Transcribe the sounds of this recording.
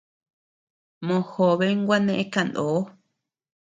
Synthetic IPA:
mõ˧˨xo˨βe˦ŋɡʷa˦nẽ˦ʔẽ˦ka˧˨nd̪oː˨˦

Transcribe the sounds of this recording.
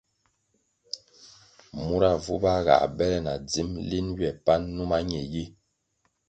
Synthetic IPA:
mu˦ɾa˨vu˦ba˦ɣa̰˨ʔbɛ˦lɛ˦na˨d͡zi˦mli˦nɥjɛ˨pa˦nːu˦ma˦ɲɛ˨ji˦

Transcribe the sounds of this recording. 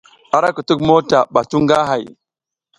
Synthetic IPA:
a˨ɾa˦kə˨tu˦kmo˦ta˨ɓa˨tu˦ŋɡa˦ɦa˨j

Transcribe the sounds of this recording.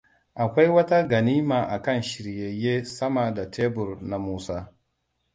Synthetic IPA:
ʔa˨kʷa˦jwɐ˦ta˦ɡɐ˨niː˦maː˨ʔa˨kɐ˦˨nʃɪ˨ɾje˨jeː˦sɐ˦maː˨da˨tʰeː˦bʊ˨ɾna˨muː˦saː˦

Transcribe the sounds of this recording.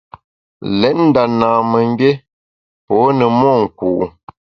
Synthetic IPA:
lɛ˨˦t̚n̩˦da˨naː˨mə˨ŋ˦be˦ | pɔ˨˦nə˨mɔ˦˨ŋ̩˨ku˨ʔ

